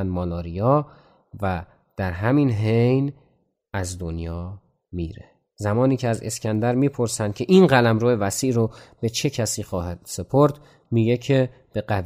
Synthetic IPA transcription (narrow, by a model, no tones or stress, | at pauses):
nd̪mɒːlɒːɾijɒː | væ | d̪̥æɾɦæminɦejn | æzd̪o̞njɒː | miːɾe | zæmɒːniːcʰeæze̞̰scʲʰænd̪æɾmiːpʰoɾsænd̪̚cʰe̞ʔinɢælæmɾoːevæsiːʔɾob̥e̞t͡ʃʰe̞cʰæsiːxɒːɦæd̪̥se̞pʰoɾd̪ | miːɡe̞cʰe̞ | b̥e̞ɢæ